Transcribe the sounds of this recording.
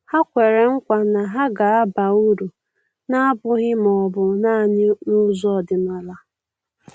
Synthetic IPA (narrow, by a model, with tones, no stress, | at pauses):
ha˦kʷe˨ɾe˨ŋ̩˦kʷa˨na˨ɦa˦ɡa˨a˦ba˨u˦ɾu˨ | na˦bʊ˦ɣɪ˦m˨ɔ˨bʊ˨na˦˨ɲɪ˦nʊ˦zɔ˦˨dɪ˨ma˨la˨